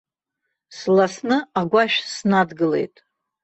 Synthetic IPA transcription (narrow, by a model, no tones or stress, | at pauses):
slasnɨaɡʷaʃᶣsnadɡɨle̞̰jtʼ